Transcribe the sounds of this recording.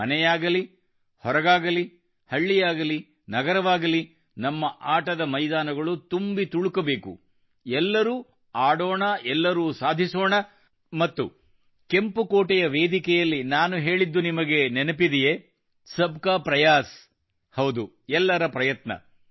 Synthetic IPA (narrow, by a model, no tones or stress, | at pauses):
mɐnɛjaːɡɐli | hɔɾɐɡaːɡɐli | hɐɭːijaːɡɐli | nɐɡɐɾɐʋaːɡɐli | nɐmːɐʔaːʈɐd̪ɐmɐjd̪aːnɐɡɐɭut̪umbit̪uɭukɐbe̞ːkṵ | ɛlːɐɾuː | aːɽoːɳɐɛlːɐɾuːsaːd̪ʱisoːɳɐ | mɐt̪ːu | ke̞mpukoːʈɛjɐʋe̞ːd̪ikɛjɐlːinaːnuɦe̞ːɭid̪ːunimɐɡe̞nenɐpid̪ije | sɐbʱkaːpɾɐjaːs | hɐwd̪u | ɛlːɐɾɐpɾɐjɐt̪nɐ̰